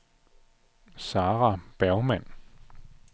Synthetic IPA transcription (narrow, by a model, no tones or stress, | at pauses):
sɑːʁɑb̥æɐʊmæn̰